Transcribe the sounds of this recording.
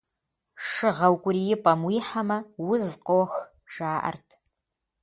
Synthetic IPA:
ʂɨʁɐwkʷʼʊrijɪpʼɐmwiːħamɐwʊzqʼox | ʒaːʔɐ̰rtʰ

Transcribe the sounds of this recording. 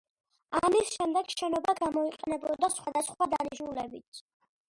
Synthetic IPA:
amisʃɛmd̪ɛɡ̥ʃɛnɔbaɡamɔiqʼɛnɛbɔd̪asχwad̪asχwad̪aniʃnulɛbit̪

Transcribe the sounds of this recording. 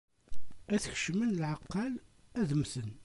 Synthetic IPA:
æθçə̥ʃmənlʕaqːɑlæðəmθən

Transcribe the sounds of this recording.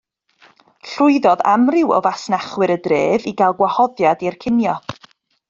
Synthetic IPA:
ɬʊɨðɔða̰mrɪwɔ̰vasnaχwɨɾədreːviɡalˠɡwahɔðjadirkʰɪnjɔ

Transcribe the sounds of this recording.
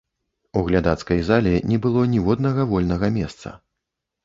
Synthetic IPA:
uɣlʲad̪at̪skɐjzalʲɛnʲɛbɨlˠɔnʲivɔd̪nɐɣɐvɔlʲnɐɣɐmʲɛst̪sɐ̰

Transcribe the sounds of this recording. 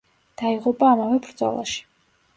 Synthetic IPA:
d̪̥aiʁupʼaːmavɛbɾd̪zɔ̰lˠa̰ʃi̥

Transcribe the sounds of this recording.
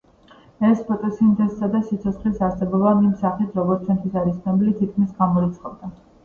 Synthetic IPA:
ɛspʰɔt̪ʼɔsind̪ɛssad̪asit̪sʰɔt̪sχlisaɾsɛbɔbaimsaχit̪ʰɾɔɡɔɾt̪t͡ʃʰwɛnt̪ʰwisaɾisnɛbilit̪ʰit̪̚kʰmisɡamɔɾit̪sʰʼχɔbd̪a

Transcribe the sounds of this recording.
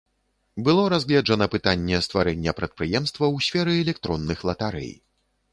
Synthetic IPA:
bɨlˠɔɾazɣlʲɛd͡ʐɐnɐpɨt̪anʲːɛst̪vaɾɛnʲːɛpɾɐt̪̚pɾɨjɛmst̪vɐwsʲfʲɛɾɨɛlʲɛk̚t̪ɾɔnːɨxlˠɐt̪aɾɛ̰j

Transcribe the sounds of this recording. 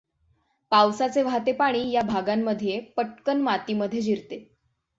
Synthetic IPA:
pawsat͡seʋʱat̪epaɽ̃iːjabʱaɡamːəd̪ʱjepəʈ̚kənmat̪iməd̪ʱjed͡ʑʱiɾt̪e

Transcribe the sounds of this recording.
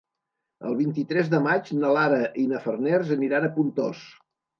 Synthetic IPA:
ə̰lˠβ̞int̪it̪ɾɛzðəmad͡ʒnəlaɾəʔinəfərnɛrzəniɾanəpunt̪o̰s

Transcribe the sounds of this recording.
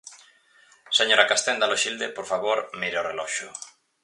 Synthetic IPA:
seɲoɾakast̪ɛnd̪aloʃild̪epoɾfaβoɾmiɾeorelɔʃʊ

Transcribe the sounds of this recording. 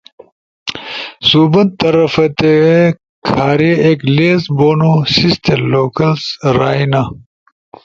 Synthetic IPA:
suːbɐnt̪ɐɾɐfɐt̪e | kʰaːɾeekleːzboːnosist̪eloːkɐlsɾaːinɐ

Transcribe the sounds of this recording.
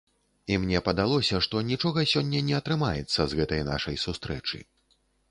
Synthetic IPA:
imnʲɛpɐd̪alˠɔsʲɐʂt̪ɔnʲit͡ʂɔɣɐsʲɔnʲːɐnʲɛɐt̪ɾɨmajɛt̪sːɐzɣɛt̪ɐjna̰ʂɐjsust̪ɾɛt͡ʂɨ̰

